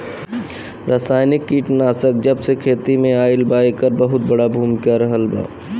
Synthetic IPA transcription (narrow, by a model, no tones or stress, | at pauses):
ɾaːsaːjnɪkːiːʈnaːsək̚d͡ʒəbsekʰeːt̪imẽaːɪlbaːekəɾbəɦʊt̪̚bəɽabʱuːmkaɾəɦəlba̰ː